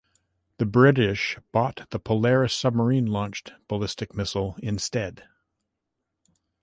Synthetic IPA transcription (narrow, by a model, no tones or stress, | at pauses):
ðɨbɹɪɾɪʃb̥ɔt̪̚ðəpʰəlɛɹɨsʌb̚mə˞ĩnlɔ̃nt͡ʃtb̥əlɪstɨk̚mɪsl̩ˠɪ̃nstɛd̥